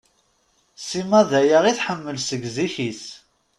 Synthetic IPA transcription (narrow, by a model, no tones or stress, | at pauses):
simæðæjaʁiθħəmːəlsəɡziçis